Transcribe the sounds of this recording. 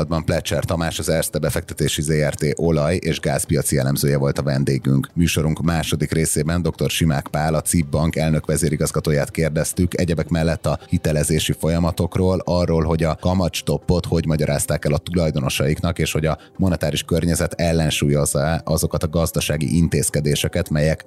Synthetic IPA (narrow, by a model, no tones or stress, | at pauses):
d̪̚bɒmplɛt͡ʃɛrt̪ɒmaːʃɒzɛrst̪ɛbɛfɛk̚t̪ɛt̪eːʃizeːɛrt̪eːʔo̞lɒjeːʒɡaːzpijɒt̪sijɛlɛmzøːjɛvo̞lt̪ɒvɛnd̪eːɡyŋkmyːʃo̞ɾuŋkmaːʃo̞d̪ikreːseːbɛnd̪o̞kt̪o̞rʃimaːkpaːlɒt̪sibːɒŋkɛlnøkʋɛzeːɾiɡɒzɡɒt̪oːjaːt̪keːrd̪ɛst̪ykɛɟɛbɛkmɛlːɛt̪ːɒhit̪ɛlɛzeːʃifo̞jɒmɒt̪o̞kroːlɒrːoːlɦo̞ɟɒkɒmɒt͡ʃt̪o̞pːo̞t̪ho̞ɟmɒɟɒɾʔaːst̪aːkɛlɒt̪ulɒjd̪o̞no̞ʃɒjiknɒkeːʃho̞ɟɒ | mo̞nɛt̪aːɾiʃkørɲɛzɛt̪ɛlːɛnʃuːjo̞zːɒɛʔɒzo̞kɒt̪ɒɡɒzd̪ɒʃaːɡḭʔint̪eːskɛd̪eːʃɛkɛt̪mɛjɛk